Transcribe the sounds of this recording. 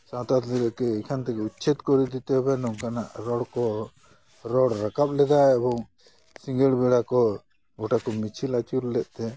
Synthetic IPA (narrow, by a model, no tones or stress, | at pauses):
sãt̪at̪lɛɾɛʔkɛːkʰant̪ɛkɛut̪t͡ʃʰit̪kɔɾid̪it̪ɛɦɔbanɔŋkanaʔɾɔɽkɔ | ɾɔɽɾakap̚lɛd̪aabɔŋ | siŋɡəɽbɛɽakɔ | ɡɔʈakɔmit͡ʃʰilat͡ʃuɾlɛʔ̪̚ˀt̪ɛ